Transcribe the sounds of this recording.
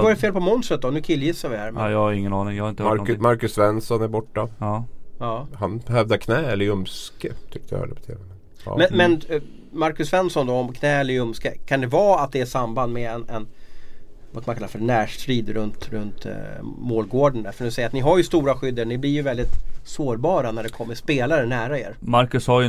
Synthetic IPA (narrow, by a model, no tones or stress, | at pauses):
vaɾɛfeːlpɔmɔnst̪ɾət̪̚d̪ɔnʉ̟ːkʰɪlːjɪsːavɪhæːɾmɛjɑɪŋːənɑːnɪŋjhaɪnt̪maɾkɵsvɛnsɔnæɾbɔʈːa | ɑːhanb̥ɛhœvd̪əkʰnɛːɛlːɾɵmskət̪ʰʏk̚t̪əj̰ɛ̰ləpɔ̥t̪ʰḛːvɛmɛ | mɛnmɛn | maɾkɵsvɛnsɔnd̪ɔɔmkʰnɛːɛlːəɾɵmskəkʰand̪ɛvɑːat̪̚d̪ɛæʂamband̪mɛɛnɛn | vaskʰamankʰalːafœɾɳæːʂt̪ɾiːd̪ɾɵnt̪ɾɵnt̪moːlɡoːɖəɳafœɳɵsɛjɾat̪nɪɦaɾjɵst̪uːɾaɧʏd̪ːəɳɪblɪɾjɵvɛld̪ɪt̪soːɾbɑːɾanæɖɛkʰɔmːəʂpeːlaɾənæːɾaḛːɾmaɾkɵshaj